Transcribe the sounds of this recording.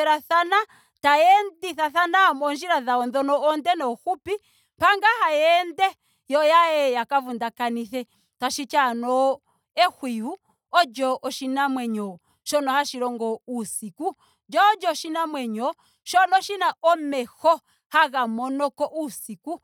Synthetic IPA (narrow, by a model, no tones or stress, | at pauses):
ɛɾaθana | taɛndiθaθanamɔnd͡ʒiɾaðaɔnðɔnɔːndɛnɔhupi | paŋɡahajɛndɛ | jɔjaɛjakavundakaniθɛ | taʃit͡ʃanɔ | ɛhwiu | ɔd͡ʒɔʔɔʃinamwɛɲɔ | ʃɔnɔhaʃiɾɔŋɡɔusiku | d͡ʒɔd͡ʒɔʃinamwɛɲɔ | ʃɔnɔʃinaʔɔmɛhɔ | haɣamɔnɔkɔʔusiku